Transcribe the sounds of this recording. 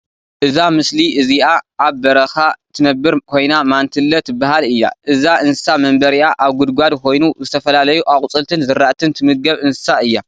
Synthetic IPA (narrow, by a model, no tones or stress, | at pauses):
ʔɨzamɨsliʔɨziʔaʔːβbɐɾɐxat̪ʰɨnɐbːɨɾkʰo̞jnamant̪ʰɨlːɐt̪bahalɨjːa̰ʔɨzaʔɨnsɨ̥samɐmbɐɾiʔaʔaβɡud̪ɡʷad̪kʰo̞jnuzɨt̪ʰɐfɐlalɐjuʔakʼut͡sʼɨlt̪ʰɨnzɨɾaʔt̪ʰɨnt̪ʰɨmɨɡɐβʔɨnsɨ̥saɨjːa